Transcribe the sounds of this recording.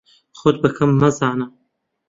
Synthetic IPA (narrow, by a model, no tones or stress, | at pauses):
xod̪̚bɐkʰɐmːɐzaːnɐ